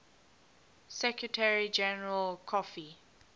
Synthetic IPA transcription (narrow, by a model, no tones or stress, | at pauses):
sɛkɹətʰɛɹid͡ʒɛnəɹəlkʰɔfi